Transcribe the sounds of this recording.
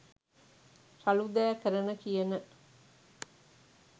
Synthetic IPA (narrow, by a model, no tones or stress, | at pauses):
sɐlud̪æːkɐɾɐnəkijɐnə